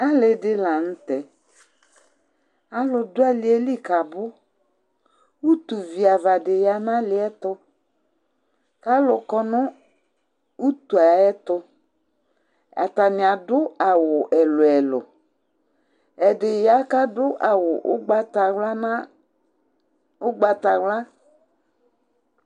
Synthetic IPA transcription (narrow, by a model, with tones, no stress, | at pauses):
a˦lɪ˨dɪ˦la˨n̩˦t̪ɛ˨ | a˨lʊ˨dʊ˦a˦lɪ˨˦e˦li˦ka˨bʊ˦ | u˦t̪u˨vi˨a˨va˨dɪ˨ja˨nã˦lɪ˨˦ɛ˦t̪ʊ˦ | ka˦lʊ˨kɔ˦nʊ˦ | u˦t̪u˨a˨ɛ˦t̪ʊ˦ | a̰˨ta˨nɪ˨a˨dʊ˦a˨wʊ˨ʔɛ˨lʊ˨ɛ˨lʊ̰˨ | ɛ˨dɪ˨ja˦ka˦dʊ˦ʔa˨wʊ˨ʔʊ˦ɡ͡ba˦ta˨wla˦na˦ | ʊ˦ɡ͡ba˨t̪a˨wla˦